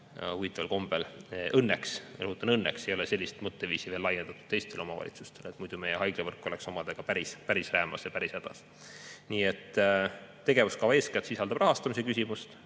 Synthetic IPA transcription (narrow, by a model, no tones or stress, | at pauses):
uvit̪ːˑɑvɑlko̞mb̥elʔɤnːeksrɤɦut̪ːˑɑnɤnːekse̞jo̞lese̞lːist̪mɤt̪ːeviːsive̞lːɑje̞nd̪̥ɑt̪ːˑud̪̥t̪e̞jst̪e̞lo̞mɑvɑ̰lʲḭt̪su̥st̪e̞let̪mujd̪̥ume̞jeɦɑjɡ̥levɤrkːˑo̞le̞kso̞mɑd̪̥eɡ̥ɑpæɾispæɾisræːmɑsjɑpæɾisæd̪̥ɑ̰s | niːe̞t̪ː | e̞ɡ̥e̞vuskɑvɑe̞ːskæt̪sisɑld̪ɑb̥rɑɦɑst̪ɑmisekysʲimust̪